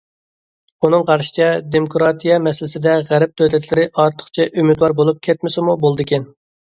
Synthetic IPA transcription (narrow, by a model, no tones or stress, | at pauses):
unɨŋqʰɑɾʃi̥t͡ʃʰɛd̪emokʰɾɑt̪ʰijɑmɛsɪlɪsɪd̪ɛʁæɾɛp̚t̪ʰøt̪ʰɛt̪ʰlɪɾɪʔɑɾt̪ʰə̥χt͡ʃʰɛʔymyd̪wɑɾbolˠup̚kʲʰɛt̪mɪsɪmubolˠd̪ɨkʲʰɛn